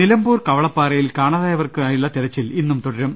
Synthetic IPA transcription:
nilɐmbuːrkɐʋɐɭɐpːaːrɐjilkaːɳɐðaːjɐʋɐrkɨaːjuɭːɐt̪iɾɐt͡ɕːilinːumt̪uɽɐɾum

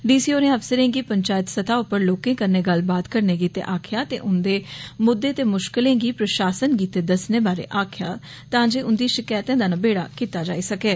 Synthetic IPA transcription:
ɖiːsiːoːnẽːəpsəɾẽːɡiːpəɲt͡ʃaːjət̪sət̪ʰaːʊpːəɾloːkẽːkəɾneːɡəlbaːt̪kəɾneːɡiːt̪ḛʔaːkʰjaːt̪ḛːʔʊnd̪eːmʊd̪ːeːt̪eːmʊʃkɪlẽːɡiːpɾəʃaːsənɡiːt̪eːd̪əsneːbaːɾḛːʔaːkʰɪjaː | t̪ãːd͡ʒeːʔʊnd̪iːʃɪkaːjt̪ẽːd̪aːnãːbeːɽa̰ːkiːt̪aːd͡ʒa̰ːiːsəkeː

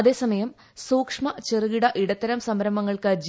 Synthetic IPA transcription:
ɐðe̞ːsɐmɐjɐm | suːkʂmɐt͡ɕerɨɣiɽɐʔiɽɐt̪ːɐɾɐmsɐmɾɐmɐŋːɐɭkɨd͡ʑ

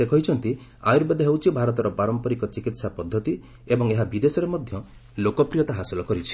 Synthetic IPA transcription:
sekɔɦit͡ʃʰɔnt̪ia̰juɾbed̪ɔɦewt͡ʃʰibʱaɾɔt̪ɔɾɔpaɾɔmpɔɾikɔt͡ʃikit̪sapɔd̪ʱːɔt̪i | ebɔŋeɦabid̪esɔɾemɔd̪ʱjɔ | lokɔpɾijɔt̪aɦasilɔkɔɾit͡ʃʰi̥

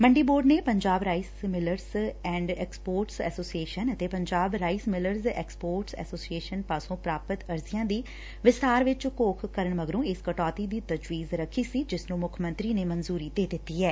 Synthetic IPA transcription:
məɳɖiːboːɾɖneːpəɲd͡ʒaːbɾaːismɪləɾzɛ̃ːɳɖɛːkspoːɾʈsɛ̰ːsoːsieːʃənət̪eːpəɲd͡ʒaːbɾaːismɪləɾzɛ̰ːkspoːɾʈsɛ̰ːsoːsieːʃənpaːsõːpɾaːpət̪əɾzijãːd̪iː | ʋɪst̪aːɾʋɪt͡ʃkoːkʰkəɾəɳməɡɾũːɪskəʈɔːt̪iːd̪iːt̪əd͡ʒʋiːzɾəkʰːiːsiːd͡ʒɪsnũːmʊkʰmə̃nt̪ɾiːneːmənzuːɾiːd̪eːd̪ɪt̪ːiːɦɛː

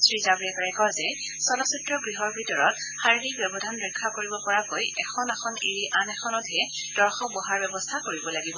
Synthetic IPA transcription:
sɹizabɹiɛkaɹajkɔɹzɛ | sɔlɔsutɹɔɡɹiɦɔɹbʱitɔɹɔt | xaɹidik̚bɛbɔdʱanɹɛkʰːakoɹibɔpɔɹakojɛxʰɔnaxʰɔneɹiʔanɛxʰɔnɔtʰɛ | d̥ɔɹxɔbɔɦaɹbɛbɔstʰakoɹibɔlaɡibɔ

